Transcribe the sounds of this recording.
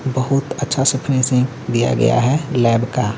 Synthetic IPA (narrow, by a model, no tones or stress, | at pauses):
bəɦʊt̪ətːʃʰasəpʰɾẽːsɪ̃ŋɡ | d̪ija̰ɡɐ̰ja̰ɦɛlɛːbka